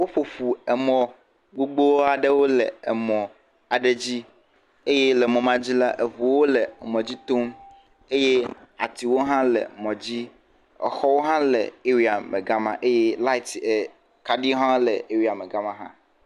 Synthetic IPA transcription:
wo˦ɸo˨ɸu˨ɛ˨mɔ̃˨ | ɡ͡bo˦ɡ͡bo˦wo˦a˨ɖe˦wo˦lɛ˨e˨mɔ̃˨ | a˨ɖe˨d͡ʑi˦ | e˦je˦lɛ˨mɔ̃˨mã˦d͡ʑi˦la˦ʔe˨vu˨wo˦lɛ˨mɔ̃˨d͡ʑi˦t̪o˦m | e˦je˦a̰˨t̪i˨wo˦ɦã˦lɛ̰˨mɔ̃˨d͡ʑi˦ | ɛ̰˨xɔ˦wo˦ɦã˦lɛ̰˨e˦wi˨a˨mẽ˨ɡa˦mã̰˦ʔe˦je˦la˦i˨t̪e˨ | ka˨ɖi˦ɦã˦lɛ˨e˨wi˨a˨me˨ɡa˦mã˦ɦã̰˦

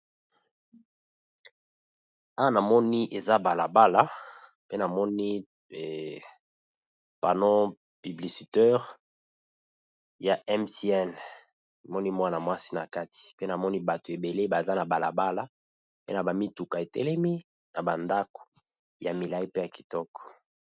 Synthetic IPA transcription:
a˦wa˦na˨mɔ˦ni˦ʔe˨za˦ba˨la˨ba˦la˦ | pe˦na˨mɔ˦ni˦˨ | pa˨nɔ˦ | py˨bli˨si˨tɛ˦ʁ | ja˨ɛ˦msi˨ɛ˦˨n˨ | mɔ˦ni˦mwa˦na˨mwa˦si̥˦na˨ka˦ti̥˨pe˦na˨mɔ˦ni˦ba˨to˨e˨be˨le˦ba˨za˦na˨ba˨la̰˨ba˦la˨ | pḛ˦na˨ba˨mi˦tu˨ka˨e˨tɛ̰˦lɛ˦mi˦ | na˨ba˨nda˦ko̥˨ | ja˨mi˨la˨i˦pe˦ja˨ki̥˨tɔ˦kɔ̥˨

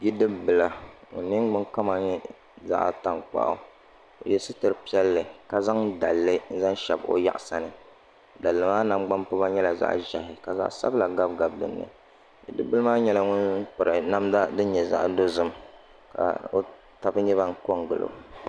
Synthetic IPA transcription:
bi˦dɨ˦bɨ˨la˨ŋʊ̰˨nːɨ˦ŋ˦ɡ͡bʊ˦ŋka˦ma˨ɲɛ˦ | za̰˦ʔta˨ŋk͡pa̰˨ʔa̰˦ | o̰˨jɛ˨sɨ˦tɨ˨ɾɨ˨pi˦ɛ˦lːɨ˨ka˨za˦ŋda˨lːɨ˦n̩˦za˦nʃɛ˨bo̰˦ja̰˦ʔsa˨nɨ˨ | da˨lːɨ˨maː˦na˨mɡ͡ba˦mpʊ˦ba˦ɲɛ˦la˨za̰˦ʔʒa˨hɪ˨ka˨za̰˦ʔsa̰˦bla˨ɡa˦b̚ɡa˨bdɨ̰˨nːɨ̰˨ | bi˦dɨ˦bɨ˦lɨ˦maː˦ɲɛ˦la˨ŋʊ˦npʊ˨ɾɨ˨na˦mda˦dɨ˦ɲɛ˨za̰˦ʔdo˦zɨ˦m | ka̰˨o˦ | ta˨bɨ˦ɲɛ˦βa˦ŋ˦ko˦ŋɡɨ˨lo̰˨

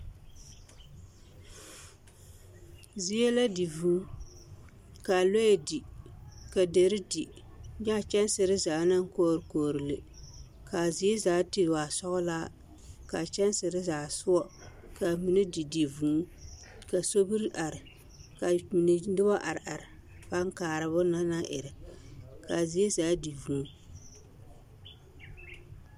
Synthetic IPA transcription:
zi˦jɛ˦la˦di˨vuː˦ | ka˨lo˦˨di˨ka˨de˨ɾɨ˦di˨ | ɲa˦˨t͡ʃɛ˦n˦sɨ˨ɾɨ˦zaː˨na˦ŋ˦koː˦˨ɾɨ˨koː˨ɾɨ˨lɨ˨ | ka˨zi˦e˦zaː˨˦ti˦˨wa˨sɔ˦ɣʊ˦laː˦ | ka˨t͡ʃɛ˦nsɪ˨ɾɪ˦zaː˨sʊ˦wɔ˦ | ka˨mi˨nɨ˦di˨di˨vu˨˦ | ka˨so˦bi˦ɾʔa˨ɾɪ˨ | ka˨mi˨nɨ˨dɨ˦ba˦ʔa˨ɾʔa˨ɾɪ˨ | pa˦ŋ˦kaː˨ɾɨ˨bʊ˦na˦na˦ʔɪ˨ɾɪ˨ka˨zi˨˦e˦zaː˨˦di˨vu˨˦

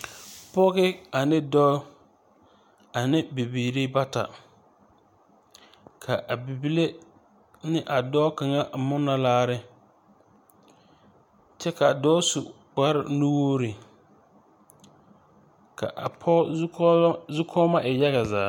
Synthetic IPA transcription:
pɔ˦ɣɪ˦a˨nɪ˦dɔː˦ | a˨nɪ˦bi˨biː˨ɾi˦ba˦ta̰˨ | kʰa˨ʔa˨bi˨bi˦le˦ | nɪ˦ʔa˨dɔː˦ka˨ŋa˦˨mʊ˦nːa˦laː˦ɾɪ˦ | t͡ʃɛ˦ka˨dɔː˦sʊ˨ | ba˦ɾɪ̰˨nu˦wo˦ɾi˨ | ka̰˨ʔa̰˨pʰɔ˦zʊ˦kʰɔː˦ma˦ʔɪ˨ja˦ɣa˨za̰ː˨

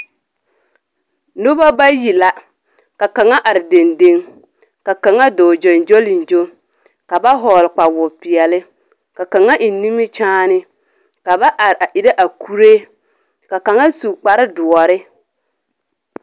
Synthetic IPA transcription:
nʊ˦ba˦ba˦ji˨la˨ | ka˨ka˨ŋa˦ʔa˨ɾɪ˨de˨nde˦ŋ | ka˨ka˨ŋa˦do˨d͡ʒo˨nd͡ʒo˦lɪ˨n˨d͡ʒo˦ | ka˨ba˦ɦɔː˨lɪ˨k͡pa˨wʊ˨pɪ˨ɛ˨lɪ˦ | ka˨ka˨ŋa˦ʔɪ˨˦ni˦mɪ˦t͡ʃaː˦nɪ˦ | ka˨ba˦ʔa˨ɾɪ˨ʔa˨ʔɪ˨ɾa˦ʔa˨kʰu˦ɾe˦ | ka˨ka˨ŋa˦su˨k͡pa˨ɾɪ˦dʊ˨ɔ˨ɾɪ˦

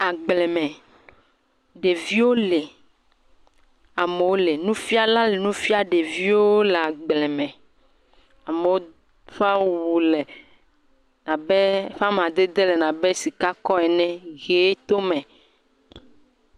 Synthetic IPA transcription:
a˨ɡ͡blɛ˨mɛ̃˨ | ɖe˨vi˦wo˦le˨ | a˨me˨wo˦le˨nũ˦fi˦a˦la˦le˨nũ˦fi˦a˦ɖe˨vi˦wo˦le˨a˨ɡ͡blɛ˨mɛ̃˨ | a˨me˨wo˦ | fa˦wwu˨lɛ˨ | nã˨be˦fa˦m˨ã˨d̪e˦d̪e˦le˨nã˨bɛ˦si˨ka˦kɔ˦ɛ˨nɛ̃˦ɣe˨˦t̪o˦mɛ̃˨

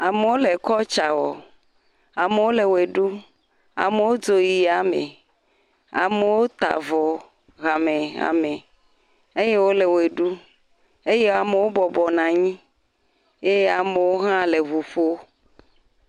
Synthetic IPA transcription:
a˨me˨wo˦le˨kɔ˦t͡ʃa˨wɔ˨ | a˨me˨wo˦le˨we˨ɖu˦ | a̰˨me˨wo˦d͡ʒo˨ji˨a˨mḛ̃˨ | a̰˨me˨wo˦t̪a̰˨vɔ˨ | ɣa˨mẽ˨a̰˨mẽ˨ | e˦je˦wo˦le˨we˨ɖu˦ | e˦je˦a˨me˨wo˦bɔ˨bɔ˨nã˨ɲĩ˦ | e˦a˨me˨wo˦ɦã˦le˨βu˨ɸo˦

